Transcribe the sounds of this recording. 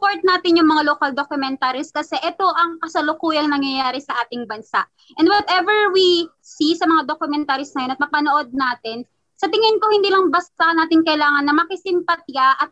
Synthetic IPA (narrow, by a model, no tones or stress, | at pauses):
spoɹt̪̚naːt̪ɪnjʊŋmɐŋaloːkɐld̪okʊmɛnt̪aːɾiskɐsɛʔɛt̪o̞ʔɐŋkɐsɐlokuːjɐŋnɐŋjɐjaːɾɪsɐʔaːt̪ɪŋbɐnsa̰ʔ | ʔɛ̃nd̪wɐt̪ʔɛvɛɹwi | sisɐmɐŋad̪okʊmɛnt̪aːɾisnɐjonɐt̪̚mɐpɐnoʔo̞d̪̚naːt̪ɪn | sɐt̪ɪŋɪnkohɪnd̪iːlɐŋbɐst̪anaːt̪ɪŋkɐʔɪlaːŋɐnːɐmɐkɪsɪmpɐt̪̚jaʔɐt̪̚